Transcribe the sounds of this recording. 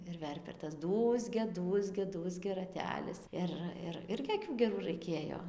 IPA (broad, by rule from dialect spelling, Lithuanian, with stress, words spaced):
ɪr ˈʋʲɛrʲpʲɛ ɪr tɐs ˈduːzʲɡʲɛ ˈduːzʲɡʲɛ ˈduːzʲɡʲɛ rɐˈtʲæːlʲɪs ˈɪr ɪr ˈɪrʲɡʲɪ ɐˈkʲuː ɡʲɛˈruː rɐɪˈkʲeːjoː